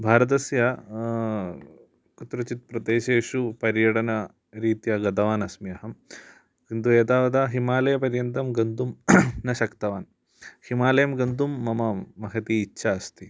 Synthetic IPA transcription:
bʱaːɾɐt̪̬ɐsjɐ | kut̪ɾɐt͡ʃit̪̚pɾɐd̪eːʃeːʃupɐɾjɐʈɐnɐ | ɾiːt̪jɐɡɐt̪ɐʋaːnɐsmjɐɦɐm | kint̪ujet̪aːʋɐd̪aːɦimaːlɐjɐpɐɾjɐnt̪ɐmɡɐnd̪umnɐʃɐkt̪ɐʋaːn | himaːlɐjɐmɡɐnd̪umːɐmɐmɐɦɐt̪iːtːʃʰaːɐst̪i

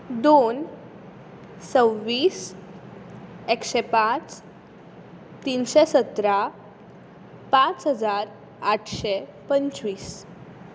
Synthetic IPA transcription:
d̪on | səwʋiːs | ekɕepat͡s | t̪inɕesət̪ɾa | pãt͡sɦəd͡zaɾ | aʈʰɕepəɲt͡ɕʋiːs

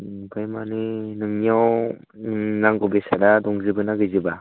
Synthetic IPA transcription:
pʰɯjmaninɯŋniaw | naŋɡɔbesadadɔŋzɯbɯnaɡɯjzɯba

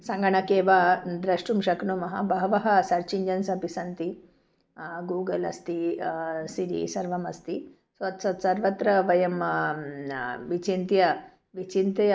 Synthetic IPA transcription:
sɐŋɡɐɳɐkeːʋad̪ɾɐʂʈumʃɐknumɐɦɐ̰bɐɦɐʋɐɦɐsɐɾt͡ʃiɲd͡ʒɐnsɐpisɐnt̪i | ɡuːɡɐlɐ̰st̪i | siɾḭsɐɾʋɐmɐst̪i | sʋɐt̪sɐt̪sɐɾʋɐt̪ɾɐʋɐjɐm | ʋit͡ʃint̪jɐ | ʋit͡ʃint̪ɐ

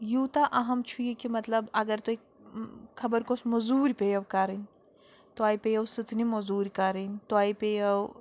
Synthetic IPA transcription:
jut̪aʔɐɦɐmt͡ʃʰujekimɐt̪lɐbɐɡɐɾt̪oek | kʰːɐbɐɾkosmɐzuːɾʲpejɐwkɐɾinʲ | t̪oaːjpejɐwsɨt͡snimɐzuːɾʲkɐɾinʲt̪oaːjpejɐw

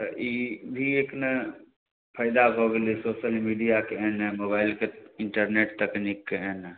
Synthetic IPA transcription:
ibʱieknə | pʰəɪd̪aɦoːɡelisoːʃəlmiːɖijakeɛnɛmoːbaːɪlkeɪɳʈəɾneːʈt̪əknikːeɛːnɛ

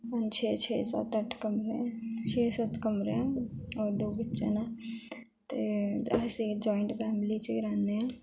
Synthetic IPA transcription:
ənt͡ʃʰet͡ʃʰesə̰t̪əʈʰkəmɾẽt͡ʃʰesət̪kəmɾeɔːɾd̪obətːt͡ʃena | t̪eased͡ʒɔiɳʈpʰaːmlit͡ʃʰeɾanme

